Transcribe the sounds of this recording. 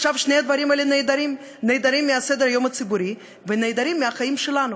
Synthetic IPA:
ʃavʃnejad̪vaɾimelened̪aɾim | nejd̪aɾimːiased̪eɾajomat͡sibuɾi | venejd̪aɾimːiaχajimʃelanu

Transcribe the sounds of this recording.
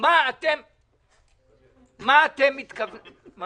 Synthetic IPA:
maat̪em | maːt̪emːit̪kabma

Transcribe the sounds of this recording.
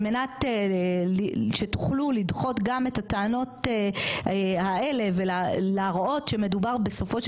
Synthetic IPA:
menateliʃetu̥χlulidχo̞t̪ɡametat̪aːno̞te | hae̞le̞ve̞lalaʁʔo̞tʃe̞me̞dubaʁbe̞so̞fo̞ʃ

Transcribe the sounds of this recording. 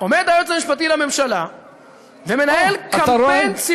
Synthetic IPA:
omed̪ajotlemiʃpat̪ilame̞mʃala | vemenajelkaent͡s

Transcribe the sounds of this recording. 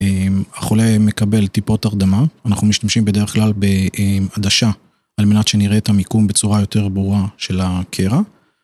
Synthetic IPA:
emaχole̞me̞kabe̞lt̪ipo̞t̪aʁd̪amaːnaχnumiʃt̪amʃimbe̞d̪e̞eχklalbe̞ead̪aʃa | alme̞nat̪ʃeniʁet̪amikumbet͡suʁajo̞t̪e̞ʁbʁuaʃe̞lakʰeʁa

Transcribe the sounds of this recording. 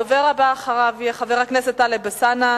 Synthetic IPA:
oveʁabaːχaʁavjeχaveʁhakneset̪alebesana

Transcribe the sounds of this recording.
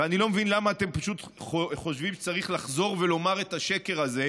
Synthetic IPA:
veanilo̞mevinlamaːt̪e̞mpaʃut̪ | χoχo̞ʃvimʃe̥t͡saʁiχlaχzo̞ʁve̞lo̞maʁetaʃeke̞ʁaze̞

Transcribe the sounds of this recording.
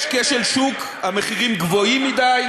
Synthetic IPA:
ʃkeʃelʃuk | hameχiʁimɡvo̞imːid̪aj

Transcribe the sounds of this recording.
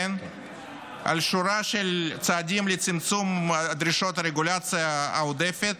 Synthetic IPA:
n | a̰lʃuɾaʃelt͡saːd̪ʲimlet͡simt͡sumd̪ɾiʃot̪ɾeɡulat͡sɨjaaod̪efet̪

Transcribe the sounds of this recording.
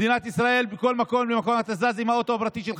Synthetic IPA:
dinat̪isʁae̞lbiko̞lmako̞mlimako̞mat̪azazimhao̞t̪oabʁat̪iʃel

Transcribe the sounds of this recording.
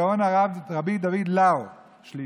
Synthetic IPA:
aonaʁavʁabid̪avid̪lao | ʃli

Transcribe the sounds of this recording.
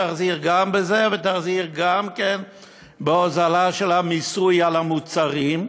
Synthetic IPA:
aχziʁɡambezevet̪aχziʁɡamken | beozalaʃelamisujalhamut͡saʁim

